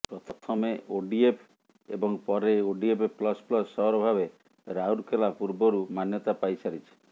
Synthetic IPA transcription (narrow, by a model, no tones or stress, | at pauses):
pɾɔt̪ʰɔt̪ʰɔmeoɖiepʰ | ḛbɔŋpɔɾeoɖiepeplɔsplɔsːɔɦɔɾɔbʱaβe | ɾauɾkelapuɾbɔɾumanjɔt̪apajsaɾit͡ʃʰi̥